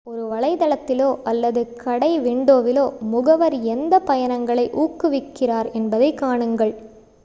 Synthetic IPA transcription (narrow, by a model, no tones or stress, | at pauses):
ɔɾɯʋɐɭɐɪðɐɭɐt̪ːɪloːʔɐlːɐðɯkʰɐɽɐɪʋɪɳɖoːʋɪloːmʊɣɐʋɐɾɛnd̪ɐpɐjɐnɐŋɡɐɭɐɪʔuːkːɯʋɪkːɪraːɾɛnbɐðɐɪkːaːɳɯŋɡɐɭ